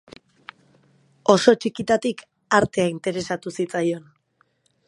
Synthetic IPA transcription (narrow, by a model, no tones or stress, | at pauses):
o̞so̞t͡ʃikit̪at̪ik | aɾt̪e̞aint̪e̞ɾe̞sat̪usit͡sajo̞n